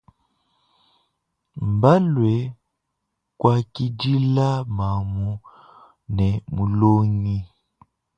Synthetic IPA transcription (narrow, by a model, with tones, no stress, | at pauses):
m˨ba˦lwɛ˨ | kwa˦ki˦di˦la˦ma˨mu˨ | nɛ˨mu˨lo˦ŋi˦